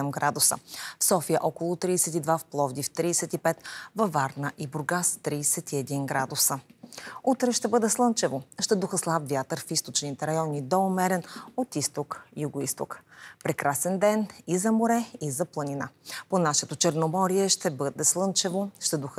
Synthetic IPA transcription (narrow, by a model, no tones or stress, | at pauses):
ɛmɡɾad̪ʊsə̰fsɔfijəʔɔkolˠʊt̪ɾiːsɛt̪id̪vafplˠɔvd̪ift̪ɾiːsɛt̪ipɛt̪vɐvaɾnəʔibʊɾɡast̪ɾiːsɛt̪iɛd̪inɡɾad̪ʊsəut̪ɾɛʃt̪ɛbɤd̪ɛslˠɤnt͡ʃɛvoʃt̪ɛd̪uxəslˠabvʲjat̪əɾfist̪ot͡ʃnit̪ɛɾɐjɔnid̪ɔmɛɾɛnot̪ist̪okijuɡoist̪o̰kpɾɛkɾasɛnd̪ɛnizɐmoɾɛizɐplˠɐninaponaʃɛt̪ot͡ʃɛɾnomɔɾiɛʃt̪ɛbɤd̪ɛslˠɤnt͡ʃɛvoʃt̪ɛd̪ux